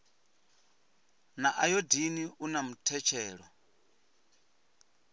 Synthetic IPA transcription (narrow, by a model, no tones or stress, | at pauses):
naʔajodiniunamutʰɛt͡ʃʰɛːɺɔ